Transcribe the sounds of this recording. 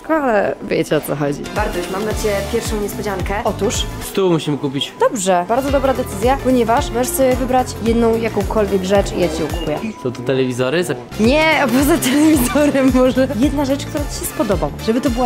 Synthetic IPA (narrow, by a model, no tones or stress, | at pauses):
skwalɛvʲjɛt͡ɕɔt̪sɔxɔd͡ʑḭbaɾd̪ɔumamd̪at͡ɕɛpʲjɛɾfʂɔ̃w̃ɲɛspɔd͡ʑaŋkɛʔɔt̪uʂst̪umuɕimɘkup̬ʲit͡ɕd̪̥ɔbʐɛbaɾd̪zɔd̪ɔbɾad̪ɛt̪sɘzʲjapɔɲɛvaʂmɔʐɛʂsɔbʲjɛvɘbɾat͡ɕjɛd̪nɔ̃w̃jakɔ̃w̃kɔlvʲjɛɡʐɛt͡ʂḭjat͡ɕiɛuku̥pujɛ̰sɔ̃w̃t̪ɔt̪ɛlɛvʲizɔɾɘza | ɲɛpɔzat̪ɛlɛvʲizɔɾɛmːɔʐɛjɛd̪naʐɛt͡ʂkt̪uɾat͡ɕ̪i̥ɕɛspɔd̪ɔbawʐɛbɘt̪ɔbɘwa